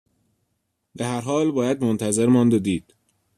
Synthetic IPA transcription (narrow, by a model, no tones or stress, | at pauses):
beɦæɾɦɒːlbɒːjæd̪mont̪ʰæze̞ɾmɒːnd̪ed̪iːd̪̥